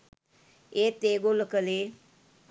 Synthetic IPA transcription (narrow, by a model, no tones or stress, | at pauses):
et̪eɡoləkəle